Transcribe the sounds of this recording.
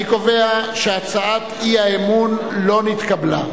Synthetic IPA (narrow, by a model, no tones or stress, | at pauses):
iko̞ve̞aʃeat͡saat̪iaemunlo̞nit̪kabla̰